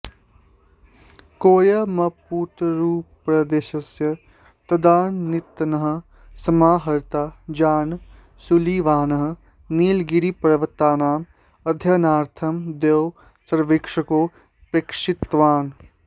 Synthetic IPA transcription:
koːjɐmɐpuːt̪ɾuːppːɾɐd̪eːʃɐsjɐ | t̪ɐd̪aːnːit̪nɐɦə̆ | sɐmaːɦɐɾt̪aːd͡ʒaːn | suliʋaːnɐɦɐ̆ | niːlɡiɾipɐɾɐʋɐt̪ːaːnaːm | ɐd̪ʱjɐnaːɾt̪ʰɐmd̪ew | sɐɾʋekʂɐkoː | pɾekʂɪt̪ːʋaːn

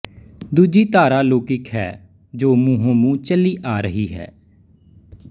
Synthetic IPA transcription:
d̪uːd͡ʒiːt̪aːɾaːloːkɪkɦɛ̰ː | d͡ʒoːmuɦõːmũːt͡ʃəliːʔaːɾəɦiːɦɛ̰ː

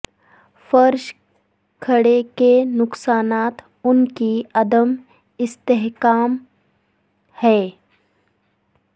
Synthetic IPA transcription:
fəɾʃ | kʰəɽekenʊksaːnaːt̪ | ʊnkiɐd̪əm | ɪst̪eɦkaːm | hɛː

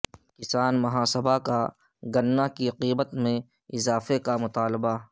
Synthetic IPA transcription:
kɪsaːnmɐɦaːsəbʱaka | ɡɐnːakiɐqiːbət̪mẽ | ɪzaːfekamʊt̪aːlba

